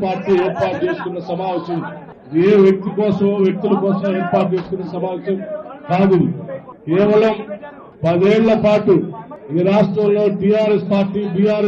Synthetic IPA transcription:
paːɾʈiːɛːɾpaːʈ̚t͡ʃe̞ːsu̥kunːɐsɐmaːʋɐʃɐm | eːʋjɐk̚t̪ikɔːsɐmʋjɐk̚t̪ulɐkɔːsɐmeːɾpaːʈ̚t͡ʃeːsu̥kunːɐsɐmaːʋɐʃɐmkaːd̪id̪i | kɛːʋɐlɐm | pɐd̪eːɭlɐpaːʈuid̪iɾaːʂʈɾɐmlo̞ːʈiːjaːɾespaːɾʈiːbiːjaːɾ

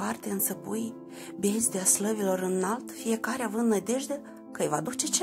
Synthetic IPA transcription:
art̪eɨnt̪səpuj | bʲezʲd̪ʲeasləvilo̞ɾɨnːalt̪fije̞kaɾeavɨnd̪nəd̪ʲe̞ʒd̪e | kəjva̰d̪ut͡ʃe̞t͡ʃe

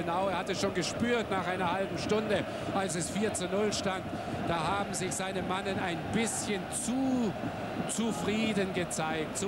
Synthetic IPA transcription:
ənaʊeːɐhatɛsʃoːnɡəʃpyːɐtnaːχʔaɪnɐhalbm̩ʃtʊndə | ʔalsɛsfiːɐt͡sunʊlʃtant | d̥aːhaːbm̩zɪçz̥aɪnəmanənaɪnbɪsçənt͡su | t͡sufʁ̥iːdənɡət͡saɪk̚tt͡su

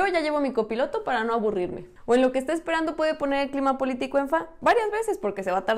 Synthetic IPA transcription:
oʝaʝe̞βomiko̞pilo̞t̪o̞paɾano̞aβuriɾme̞̰ | oe̞nlo̞keːst̪eespe̞ɾand̪o̞pwe̞ðepo̞ne̞ɾelklimapo̞lit̪iko̞e̞ɱfabaɾjazβe̞se̞spo̞ɾke̞se̞βat̪aɾ

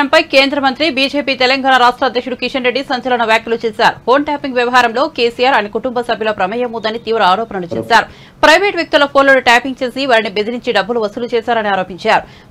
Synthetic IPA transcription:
ɐmpɐjke̞ːnd̪ɾɐmɐnt̪ɾibiːd͡ʒe̞ːpiːt̪ɛlɐŋɡaːnaːɾaːʂʈɾaːd̪jɐkʂuɽukiʂɐnɾeɖːisɐɲt͡ʃɐlɐnɐʋjaːkjɐlut͡ʃɛːsaːɾupo̞ːɳʈaːpiŋɡʋjɐʋɐɦaːɾɐmlo̞ːkeːsijaːɾɐnekuʈumbɐsɐbʱjɐlɐpɾɐmɐjɐmuːnd̪ɐnit̪iːʋɾɐaːɾoːpɐnɐlut͡ʃɛːsaːɾu | pɾɐjʋeːʈʋjɐk̚t̪ulɐpʰo̞ːnloniʈaːpiŋɡ̚t͡ʃeːsiʋaːɾɐnibe̞d̪iɾiɲt͡ʃiɖɐbːuluʋɐsulut͡ʃɛːsaːɾɐniaːɾoːpiɲt͡ʃaːɾu

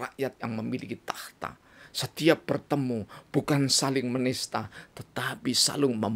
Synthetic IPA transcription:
aʔjat̪̚jaŋməmilḭkit̪aht̪a̰ | sət̪iap̚b̥ərt̪əmub̥ukansalɪŋmənɪst̪at̪ət̪apisa̰lʊŋməm

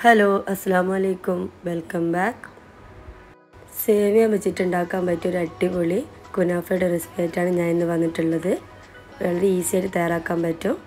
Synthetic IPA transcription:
hɐloːʔɐsːɐlaːmuɐleːkːumʋelkɐmbaːk | seːʋijamet͡ɕːitːuɳɖaːkːaːmpɐtːumoɾɐʈːipoɭi | kunaːfejɽerispeːtːaːɳɨɲaːnenːɨʋɐnːiʈːuɭːɐðɨ | ʋeɭɐɾeiːsieːʈːɨt̪ɐjaːraːkːaːmpɐtːum

